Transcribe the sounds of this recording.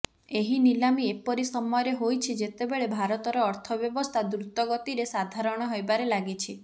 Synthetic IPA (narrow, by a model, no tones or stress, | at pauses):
eɦinilamiepɔɾisɔmɔjɔɾeɦojt͡ʃʰid͡ʒet̪ebeɭebʱaɾɔt̪ɔɾɔːɾt̪ʰɔbjɔbɔst̪ʰad̪ɾut̪ːɔɡɔt̪iɾesad̪ʱaɾɔɽ̃ɔɦojbaɾelaɡit͡ʃʰi